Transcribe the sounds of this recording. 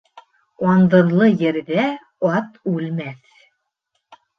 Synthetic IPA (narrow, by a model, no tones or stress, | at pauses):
ɑnd̪ɤ̆ɾlˠɤjɘ̆ɾðæ | ɑt̪ʉlmæθ